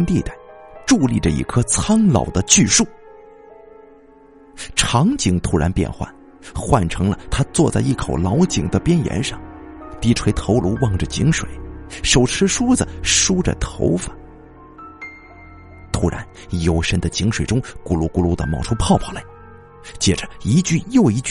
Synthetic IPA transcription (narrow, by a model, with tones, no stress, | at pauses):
nt̪i˥˧t̪a˥˩ɪʈ͡ʂu˥˧li˥˩ʈ͡ʂə˩ḭ˧˥˩kʰɤ˥t͡sʰa˥nlɑ̰˨˩ʊd̪ə˦t͡ɕy˥˧ʂu˥˩ | ʈ͡ʂʰɑ˧˥ŋt͡ɕi˧˥ŋt̪ʰu˧˥ɻa˧˥npjɛ̰˥˧nxwa̰˥˩n | xwa˥˩nʈ͡ʂʰɤ˧˥ŋlə˧t̪ʰa˥t͡swɔ˥˧t͡sa˥˧ɪi˥˩kʰo˨˩ʊlɑ˧˥ʊt͡ɕi˨˩ŋd̪ə˦pjɛ˥njɛ̰˧˥nʂɑ˥˩ŋ | t̪i˧˥ʈ͡ʂʰwe˧˥ɪt̪ʰo˧˥ʊlu˧˥wɑ˥˩ŋʈ͡ʂə˩t͡ɕi˧˥ŋʂwḛ˨˩˦ɪʂo˨˩ʊʈ͡ʂʰɻ̩˧˥ʂu˥d͡zə˩ʂu˥ʈ͡ʂə̰˨t̪ʰo̰˧˥ʊfə˨˩˦n | t̪ʰu˧˥ɻa̰˧˥n | jo˨˧˩ʊʂə˥nd̪ə˨t͡ɕi˧˥ŋʂwe˨˩ɪʊ˥ŋku˧˥lu˧˥ku˧˥lu˧˥d̪ə̰˧˩mɑ˧˩ʊʈ͡ʂʰu˥pʰɑ˥˩ʊpʰɑ˨˥˩la˧˥ɪ | t͡ɕjɛ˥˩ʈ͡ʂə˩i˧˥t͡ɕy˥˧jo˥˧ʊi˧˥t͡ɕ